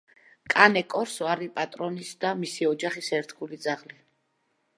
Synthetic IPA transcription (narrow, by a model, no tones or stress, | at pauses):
kʼanɛkʼɔɾsɔaɾipʼat̪ʼɾɔnisd̪amisiɔd͡ʒaχisɛɾt̪ʰɡulid̪zaʁli